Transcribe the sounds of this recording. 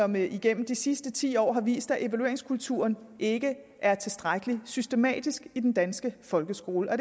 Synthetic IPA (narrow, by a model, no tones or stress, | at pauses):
ɒ̽miɡ̥en̰m̩d̥isisd̥ət͡sʰḭːɒ̰ːɦɑ̈ʋḭːsd̥æʔe̝ʋælue̝ɐeŋskʰult͡sʰṵɐn | e̝ɡ̥ə | ʔæɐt͡sʰe̝sd̥ʁaɡ̥əlisysd̥e̝mɛ̰ːd̥isɡ̥id̥end̥ænsɡ̥əfɒ̽lɡ̥əsɡ̥o̝ːləʔɒ̽d̥